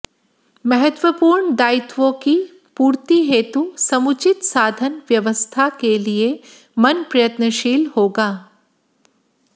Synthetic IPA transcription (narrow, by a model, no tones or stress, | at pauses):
mɐɦət̪ʋəpuːɾɳd̪aːɪt̪ʋõki | puːɾt̪iɦeːt̪usɐmʊt͡ʃɪt̪saːd̪ʱənʋjɐʋəst̪ʰakelie | mɐnpɾɐjət̪nəʃiːlhoːɡaː